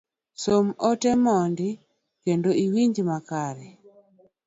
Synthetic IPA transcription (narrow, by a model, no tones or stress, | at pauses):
somotɛmɔndi | kendoiwiɲd͡ʒmakaɾɛ